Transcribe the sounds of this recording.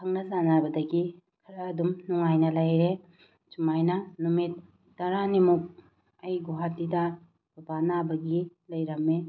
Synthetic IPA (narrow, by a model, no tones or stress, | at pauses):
kʰɐŋnɐzanabɐdɐɡi | kʰɐɾɐːdumnuŋajnɐlɐjɾe | t͡ʃumajnɐnumit̚ː | ɐɾanimuk̚ | ɐjɡuɦatːidɐ | bɐbanabɐɡilɐjɾɐme